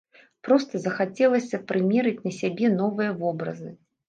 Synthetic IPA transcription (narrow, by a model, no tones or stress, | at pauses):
pɾɔst̪ɐzɐxat͡sʲɛlˠɐsʲɐpɾɨmʲɛɾɨt͡sʲnɐsʲabʲɛnɔvɨjɐvɔbɾɐ̰zɨ